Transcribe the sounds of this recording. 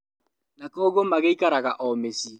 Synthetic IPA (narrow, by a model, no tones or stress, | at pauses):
nakɔːɣɔmaɣeikaɾaɣaʔɔmesi